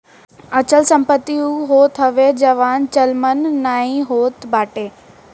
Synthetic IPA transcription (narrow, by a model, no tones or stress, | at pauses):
ɐt͡ɕəlsɐ̃mpət̪ːiuɦoːt̪ʰɦɐʋed͡ʑɐʋaːnt͡ɕəlmənːaːĩɦoːt̪baːʈeː